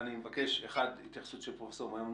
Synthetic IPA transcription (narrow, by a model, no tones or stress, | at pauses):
nimevake̞ʃeχadit̪jaχḁsut̪ʃepʁofesoʁimajom